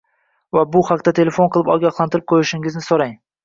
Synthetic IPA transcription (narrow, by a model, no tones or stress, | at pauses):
vabʊhaqt̪at̪ʰe̞le̞fo̞nqʰɨlˠɪpɒɡʲɑχlˠant̪ɪɾɪp̚qʰojɪʃɪŋɪznɪsoɾaŋ